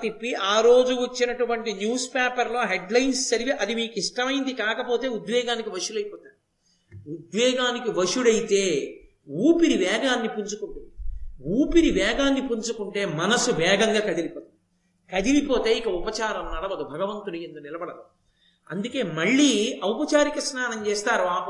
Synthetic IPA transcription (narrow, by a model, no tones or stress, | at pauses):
t̪ipːiʔaːɾo̞ːd͡ʒuɐt͡ʃːinɐʈuʋɐɳʈinjuːspeːpɐɾlo̞ːɦeɖlɐjnssɐɾiʋiʔɐd̪imiːkiʂʈɐmɐjind̪ikaːkɐpo̞ːt̪e̞ːud̪ʋɛːɡaːnikiʋɐʂulɐjpɔːt̪aːɾ | ud̪ʋɛːɡaːnikiʋɐʂuɽɐjit̪eː | uːpiɾiʋɛːɡaːnːipuɲt͡ʃukuɳʈeuːpiɾiʋɛːɡaːnːipuɲt͡ʃukuɳʈe̞ːmɐnɐsuʋɛːɡɐŋɡaːkɐd̪ilipoːd̪ | kɐd̪ilipo̞ːt̪e̞ːikɐupɐt͡ʃaːɾɐmnɐɽɐʋɐd̪ubʱɐɡɐʋɐnt̪ulujend̪unilɐbɐɽɐd̪u | ɐnd̪uke̞ːmɐɭːiːɐwpɐt͡ʃaːɾikɐsnaːnɐɲt͡ʃeːst̪aːɾuaː